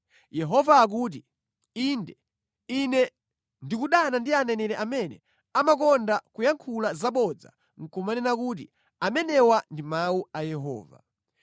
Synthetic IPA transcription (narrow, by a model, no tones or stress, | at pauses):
jɛɦɔvaːk̬uːt̬i | indɛ | inɛ | ndikuɗanandianɛnɛɾɛʔamɛnɛ̰ | amakɔndakujaŋkʰulazaɓɔd͡za̰ | ŋ̩kɔmanɛnakut̬ḭ | amɛnɛwandimauajɛɦɔ̰ːva̰